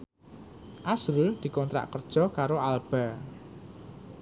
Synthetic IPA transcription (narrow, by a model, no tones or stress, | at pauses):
ʔasɾʊld̪̥i̤kɔnt̪ɾa̰ʔkərd̥ʒ̥ɔ̤kaɾoalb̥a̤